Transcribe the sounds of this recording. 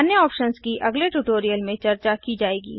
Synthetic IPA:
ɐnjəɔːpʃənskiʔɐɡleʈuːʈoːɾijəlmẽt͡ʃɐɾt͡ʃakid͡ʒaːeːɡḭː

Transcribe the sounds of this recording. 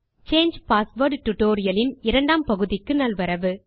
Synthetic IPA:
t͡ʃeːnd͡ʒpaːsʋoːɾɖʈʊʈoːɾɪjɐlɪnɪɾɐɳɖaːmpɐɣɯðɪkːɯnɐlʋɐɾɐʋɯ

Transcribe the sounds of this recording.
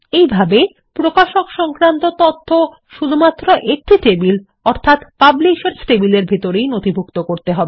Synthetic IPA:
ejbʱabe | pɾokaʃokʃɔŋkɾant̪ot̪ot̪ʰːo | ʃud̪ʱumat̪ːɾoʔek̚ʈʰiʈebil | ɔɾt̪ʰat̪pabliʃeɾsʈebileɾbʱet̪oɾejnot̪ibʱukt̪okoɾt̪eɦɔbe

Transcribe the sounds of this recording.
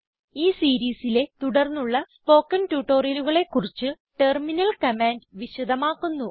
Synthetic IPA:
iːsiːɾiːsile̞t̪uɽɐrnːuɭːɐspo̞ːkːɐnʈuːʈːo̞ːrijɐluɣɐɭe̞kːurit͡ɕːɨ | ʈerminɐlkɐmaːndʋiɕud̪ɐmaːkːunːu

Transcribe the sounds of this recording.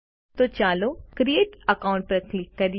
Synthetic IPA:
t̪ot͡ʃaːlokɾieːʈəkãʊ̃ɳʈ̚pɐɾklikːɐɾ

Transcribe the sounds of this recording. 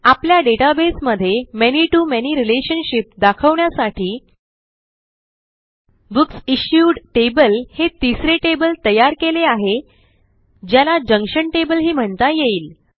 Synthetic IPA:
apljaɖeʈabesməd̪ʱːjemeniʈumeniɾileɕənɕip̚d̪akʰəʋɳjasaʈiː | buksiɕjuɖʈebəlhet̪isɾeʈebəlt̪əjaɾkeleaɦe | d͡ʑjalad͡ʑəŋkɕəɳʈebəlɦiːm̤əɳt̪ajeiːl

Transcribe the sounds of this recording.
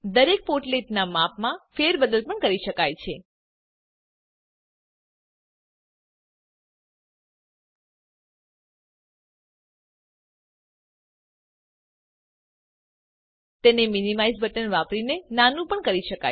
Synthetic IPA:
d̪əɾek̚poʈleʈnamapmãfeɾbəd̪əlpəɳkəɾiʃəkajt͡ʃʰe | t̪eneminimaizbəʈənʋapɾinenanũpəɳkəɾiʃəka̰

